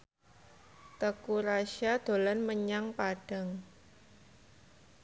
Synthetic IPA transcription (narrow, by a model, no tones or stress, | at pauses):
t̪əkuɾaʃad̪̥o̤lanməɲaŋpaɖ̥a̤ŋ